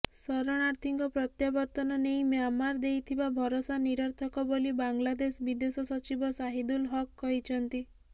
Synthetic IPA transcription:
sɔɾɔɽ̃aɾt̪ʰiŋkɔpɾɔt̪jabɔɾt̪ɔnɔnejmjamaɾd̪ejt̪ʰibabʱɔɾosaniɾɔɾt̪ʰɔkɔbolibaŋlad̪esbid̪esɔsɔt͡ʃibɔsaɦid̪ulɦɔkːɔɦit͡ʃʰɔnt̪i

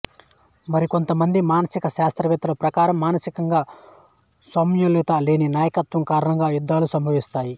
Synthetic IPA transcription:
mɐɾiko̞nt̪ɐmɐnd̪imaːnɐsikɐʃaːst̪ɾɐʋɛt̪ːɐlɐpɾɐkaːɾɐmːaːnɐsikɐŋɡaː | sɐmjulit̪aːleːninaːjɐkɐt̪ʋɐmkaːɾɐɳɐŋɡaːjud̪ːaːlusɐmbʱɐʋist̪aːji

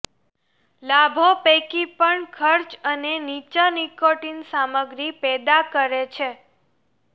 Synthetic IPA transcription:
labʱopekipəɳkʰəɾt͡ʃənenit͡ʃanikoʈinsaməɡɾipɛd̪akəɾet͡ʃʰe

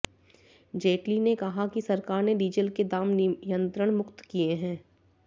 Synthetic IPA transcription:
d͡ʒeːʈlinekɐɦakisɐɾkaːɾneɖiːd͡ʒəlked̪aːmnɪjə̃nt̪ɾəɽ̃mʊkt̪kieɦɛ̃ː

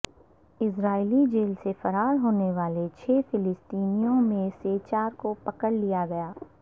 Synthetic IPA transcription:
ɪsɾaːɪlid͡ʒeːlsefɐɾaːɾɦoːneʋaːlet͡ʃʰɛːfɪlɪst̪iːnijõmẽseːt͡ʃaːɾkopɐkəɽlijaɡɐjaː

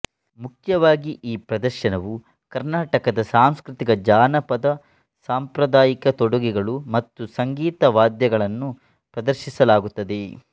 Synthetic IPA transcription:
mukʰjɐʋaːɡiʔiːpɾɐd̪ɐɾʃɐnɐʋu | kɐɾnaːʈɐkɐd̪ɐsaːmskɾut̪iɡɐd͡ʒaːnɐpɐd̪ɐ | saːmpɾɐd̪aːjikɐt̪ɔɽuɡiɡɐɭumɐt̪ːusɐŋɡiːt̪ɐʋaːd̪jɐɡɐɭɐnːu | pɾɐd̪ɐɾʃisɐlaːɡut̪ːɐd̪e̞

